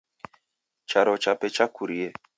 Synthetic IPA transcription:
t͡ʃaɾɔt͡ʃapɛt͡ʃakuɾiɛ

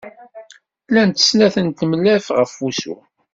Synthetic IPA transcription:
lænt̪ə̥snæθənt̪əmlːæfʁəfːusṵ

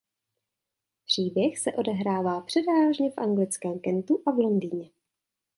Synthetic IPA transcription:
pr̝̥iːbjɛxsɛʔo̞dɛɦɾaːvaːpr̝̥ɛdvaːʒɲɛfʔaŋɡlɪt͡skɛːmkɛnt̪uʔavlo̞ndiːɲɛ

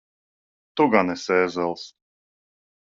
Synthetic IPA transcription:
t̪uɡanɛsɛːzɛlˠs

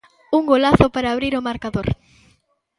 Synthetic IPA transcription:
uŋɡolaθʊpaɾaːβɾiɾomaɾkaðoɾ

